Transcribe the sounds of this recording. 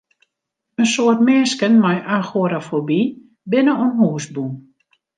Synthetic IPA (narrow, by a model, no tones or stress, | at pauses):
ənsoərtmɛːskənmajʔaxoɾafobi | bɪnəonɦuːsbum